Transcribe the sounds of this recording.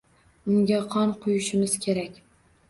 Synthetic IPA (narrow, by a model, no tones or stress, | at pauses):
ʊŋɡʲaqʰɒnqʰʊjʊʃɪmɪz̥kʲʰe̞ɾakʲ